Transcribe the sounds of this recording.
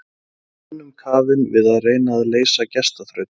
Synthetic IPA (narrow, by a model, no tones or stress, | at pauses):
nːʏmkʰaːvɪnvɪðaðreːjnaːðleːjsacɛst̪aθɾœɥt̪